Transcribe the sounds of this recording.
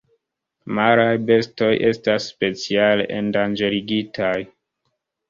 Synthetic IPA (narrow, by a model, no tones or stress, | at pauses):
maɾajbe̞sto̞jʔe̞stasːpe̞t͡sialeʔendand͡ʒeɾiɡitʰaj